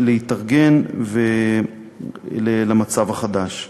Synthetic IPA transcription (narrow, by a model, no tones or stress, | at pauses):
leitaʁɡe̞nve | lelamat͡savaχad̪aʃ